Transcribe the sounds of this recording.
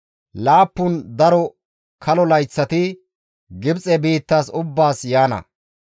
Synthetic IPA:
laːpːʊnd̪ɐɾɔ | kʰɐlɔlɐjt͡sːɐt̪ɪ | ɡɪbt͡sʼɛbiːt̪ːaːsʊbːaːsjaːnɐ̰

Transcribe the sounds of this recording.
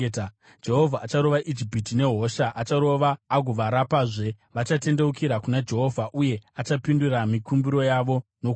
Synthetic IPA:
d͡ʒe̞ɦo̞vʱaʔːt͡ʃaɾo̞ʋaʔid͡ʒipitine̞ɦo̞ʃaʔat͡ʃaɾo̞ʋaːɡʱoʋaɾapaːʐe̞ | ʋat͡ʃate̞nde̞ukiɾakunad͡ʒe̞ɦo̞vʱaʔuje̞at͡ʃapinduɾamikumbiɾo̞jaʋo̞nok

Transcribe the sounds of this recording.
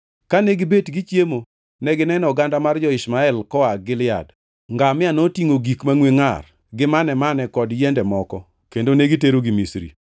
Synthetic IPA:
kaneɡɪbetɡit͡ʃjemo | nɛɡɪnɛnɔɡandamard͡ʒɔɪsmaɛlkɔaɡɪlɪja̰d | ŋɡamɪanotiŋoɡikmaŋweŋar | ɡɪmanɛmanɛkɔdjɛndɛmɔkɔ | kendoneɡiteɾoɡimisɾḭ

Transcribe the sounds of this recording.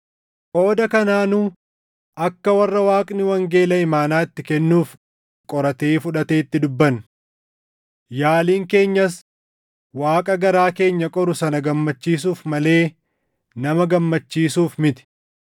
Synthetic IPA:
ʔo̞ːd̪ɐkɐnaːnuː | ʔɐkːɐwɐrːɐwaːkʼnɪwɐŋɡe̞ːlɐɪmaːnaːɪt̪ːɪkɛnːuːf | kʼɔɾɐt̪e̞ːfʊᶑɐt̪e̞ːt̪ːɪd̪ʊbːɐn | jaːliːŋke̞ːɲːɐs | waːkʼɐɡɐɾaːke̞ːɲːɐkʼɔɾʊsɐnɐɡɐmːɐt͡ʃːiːs̬uːfmɐle̞ː | nɐmɐɡɐmːɐt͡ʃːiːsuːfmɪt̪ɪ̥

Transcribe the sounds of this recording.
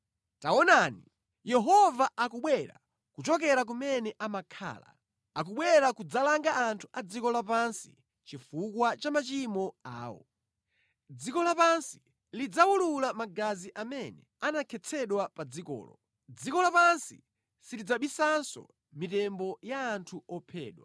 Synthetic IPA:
taɔnani | jɛɦɔvaʔakuɓwɛɾa̰ | kut͡ʃɔk̬ɛɾak̬umɛnɛʔamakʰa̰ːla̰ | ak̬uɓwɛɾakud͡zalaŋɡaːntʰu̥ʔad͡zikɔlapansḭ | t͡ʃifukwat͡ʃamat͡ʃimɔa̰ːwɔ̰ | d͡zikɔlapansi̥ | lid͡zawululamaɡaziʔamɛnɛ | anakʰɛt͡sʰɛɗwapad͡zikɔ̰ːlɔ̰ | d͡zikɔlapansḭ | siɾid͡zaɓisansɔ̰ | mitɛmbɔjaːntʰuɔpʰɛ̰ːɗwa̰

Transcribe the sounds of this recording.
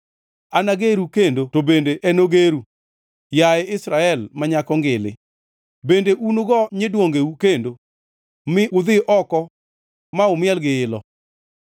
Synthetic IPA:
anaɡeɾukendotobendeʔɛnoɡeɾu | jaɛɪsɾaɛlmaɲakɔŋɡɪlɪ̰ | bendeʔunoɡɔɲedwoŋɡeukendo | mɪʊd̪ɪʔɔkɔ | maʊmɪɛlɡɪɪlɔ̰

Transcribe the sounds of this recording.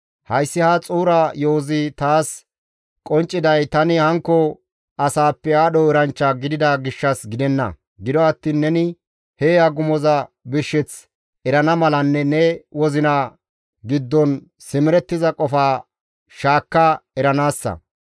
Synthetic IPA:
hɐjsːɪhat͡sʼuːɾɐjoːzɪt̪aːs | kʼɔnt͡ʃʼːɪd̪ɐjt̪ɐnɪhɐŋkːɔ | ɐsaːpːɛaːɗɔɛɾɐnt͡ʃːɐɡɪd̪ɪd̪ɐɡɪʃːɐsɡɪd̪ɛnːɐ̰ | ɡɪd̪ɔɐt̪ːiːnːɛnɪ | heːɐɡʊmɔzɐbɪʃːɛt͡s | ɛɾɐnɐmɐlɐnːɛnɛwɔzɪnɐ | ɡɪd̪ːɔn | sɪmɪɾɛt̪ːɪzɐkʼɔfaː | ʃaːkːɐɛɾɐnaːsːɐ̰

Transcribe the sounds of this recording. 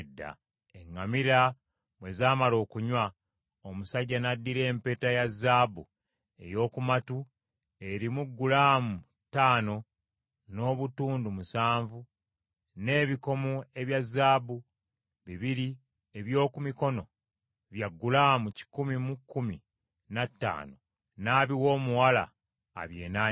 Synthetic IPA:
dːa̰ | eŋːamiɾa | mwe̞zaːmalo̞ːkuɲwa | omusaɟːanadːiɾe̞ːmpe̞ːtajazːaːbu | e̞̰jo̞ːkumatu | e̞ɾimuɡːulaːmu | taːno̞ | no̞ːβutuːndumusaːɱvu | ne̞ːβiko̞mue̞βjazːaːbu | βiβiɾi | eβjo̞ːkumiko̞no̞ | βjaɡːulaːmuci̥kumimukːumi | natːa̰ːno̰ | naːβiwo̞ːmuwala̰ː | βje̞̰ːnaː

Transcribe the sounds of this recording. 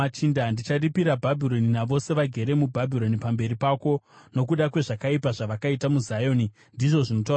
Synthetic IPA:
at͡ʃindandit͡ʃaripiɾabʱabʱiro̞ninaʋo̞se̞ʋaɡʱe̞ɾe̞mubʱabʱiɾo̞nipambe̞ɾipaːko̞ | no̞k̬uɗakwe̞ʐakaipaʐaʋakaitamuzajo̞ni | ndiʐo̞ʐino̞taura

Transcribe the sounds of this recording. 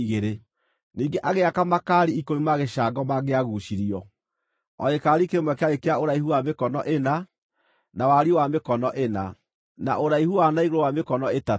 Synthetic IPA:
iɣeɾe | niːɡeʔaɣeakamakaɾiikoimaɣeʃaːɡɔmaɣeaɣuʃiɾiɔ | ɔekaɾikemwɛkɛaekeaoɾaihuwamekɔnɔʔena | nawaɾiowamekɔnɔʔena | na̰ʔoɾaihuwanaiɣoɾowamekɔnɔeta

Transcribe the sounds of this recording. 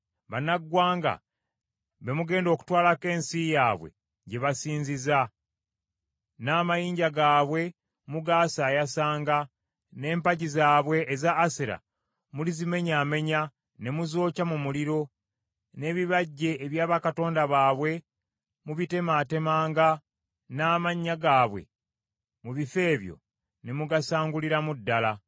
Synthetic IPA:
βanaɡwaːŋɡa̰ | βe̞muɡe̞ːndo̞ːku̥twaːlake̞ːnsijaːβwe̞̰ | ɟe̞βasiːnziza | naːmajiːɲɟaɡaːβwe̞ | muɡaːsaːjasaːŋɡa | ne̞ːmpaɟizaːβwe̞ːzaːseɾa̰ | mulizime̞ɲaːme̞ɲa | ne̞muzo̞ːcamumuliɾo̞ | ne̞βiβaɟːe̞ːβjaːβakato̞ːndaβaːβwe̞ | muβite̞maːte̞maːŋɡa | naːmaɲːaɡaːβwe̞̰ | muβife̞ːβjo̞̰ | ne̞muɡasaːŋɡuliɾamudːala

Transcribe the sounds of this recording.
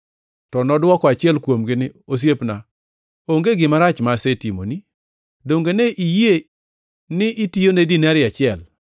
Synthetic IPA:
tɔnɔdwɔkɔat͡ʃɪɛlkwomɡɪnɪos̬jepna | oŋɡeɡɪmaɾat͡ʃmasetimo̰ni | doŋɡeneʔije | nɪʔitijonedinɛɾɪat͡ʃɪɛl

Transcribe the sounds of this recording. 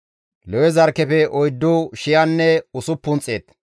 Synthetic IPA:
lɛwɛzɐɾkɛpɛʔɔjd̪ːʊʃɪjanːɛʊsʊpːʊnt͡sʼːeːt̪

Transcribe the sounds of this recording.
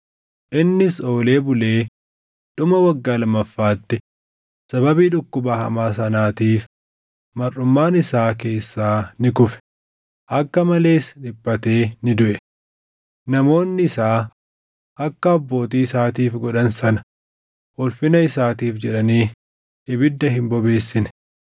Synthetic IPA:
ʔɪnːɪso̞ːle̞ːbʊle̞ː | ᶑ̪ʊmɐwɐɡːaːlɐmːɐfːaːt̪ːɪ | sɐbɐbiːᶑʊkːʊbaːhɐ̰maːsɐnaːt̪iːf | mɐrːʊmːaːnɪsaːk̬e̞ːsːaːnɪkʊfɛ̥ | ʔɐkːɐmɐle̞ːsᶑɪpːɐt̪e̞ːnɪd̪ʊʔɛ | nɐmo̞ːnːɪɪsaː | ʔɐkːɐɔbːo̞ːt̪iːɪsaːt̪iːfɡɔᶑɐnsɐnɐ̥ | ɔlfɪnɐɪsaːt̪iːfd͡ʒɛᶑɐniː | ɪbɪd̪ːɐɦɪmbɔbe̞ːsːɪn

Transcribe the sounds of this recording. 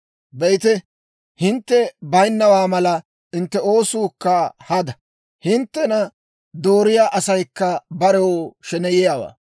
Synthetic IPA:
bɛjt̪ɛ | hɪnt̪ːɛbɐjnːɐwaːmɐlɐ | ɪnt̪ːɛo̞ːsuːkːɐhɐd̪ɐ | hɪnt̪ːɛnɐ | d̪oːɾɪjaːʔɐsɐjkːɐbɐɾɛwoʃɛnɛjɪjaːwa̰ː

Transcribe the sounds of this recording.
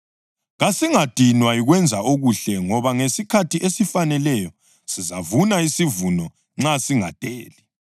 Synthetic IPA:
ɣasiŋad̥ʱinwaiɣwɛnd͡zʱaoɣuɬɛŋɔβaŋesikʰatʰiʔesifanɛlɛjɔ | sizavunaisivunɔ | ŋ͡ǁasiŋad̥ʼʱeːli

